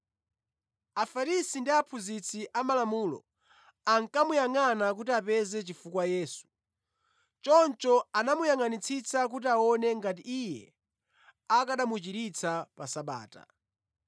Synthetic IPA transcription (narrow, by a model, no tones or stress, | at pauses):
afaɾisindiapʰuzit͡sʰiʔamalamuːlɔ̰ | aŋkamujaŋanak̬utiapɛzɛt͡ʃifukwajɛːsu̥ | t͡ʃɔnt͡ʃɔanamujaŋanit͡sʰit͡sak̬ut̬iaɔnɛŋɡat̬iijɛ | akaɗamut͡ʃiɾit͡sʰapasaɓa̰ːta̰